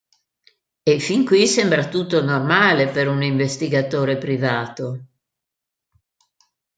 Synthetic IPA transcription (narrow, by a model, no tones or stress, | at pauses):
efiŋkwisɛmbɾat̪ut̪ːonormaːlepeɾuniɱvest̪iɡat̪oːɾepɾivaːt̪o